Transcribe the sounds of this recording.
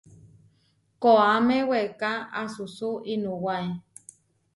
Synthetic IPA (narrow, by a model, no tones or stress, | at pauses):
koamẽwekaasusuinũwae